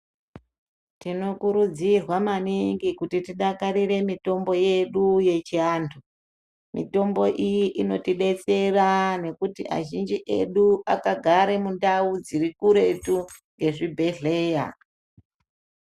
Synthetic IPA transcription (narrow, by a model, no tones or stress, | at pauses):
tino̞kuɾud͡zirwamaniŋɡikutitiɗakaɾire̞mito̞mbo̞je̞ɗuje̞t͡ʃiaːntʰu | mḭto̞mbo̞ʔijiʔino̞tiɗe̞t͡se̞rane̞kutia̰ʒind͡ʒiʔe̞̰ɗuakaɡʱaɾe̞mundaud͡ziɾikuɾe̞tu | ŋɡe̞ʐibʱe̞ɮeːja̰